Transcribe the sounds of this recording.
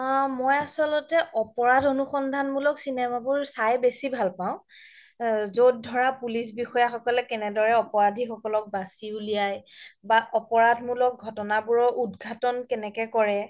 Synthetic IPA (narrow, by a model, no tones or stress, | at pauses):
mɔjasɔlɔtɛʔɔpɔɹadʱonuxɔndʱanmulɔksinɛmabʊɹsajbesibʱalpaʊ̃ | zot̚dʱɔɹapulisbixɔjaxɔkɔlɛkɛnɛdɔɹɛɔpɔɹadʱixɔkɔlɔk̚basiulijajbaʔɔpɔɹadʱmulɔk̚ɡʱɔtɔnabuɹɔʔudɡʱatɔnkɛnɛkɛkɔɹɛ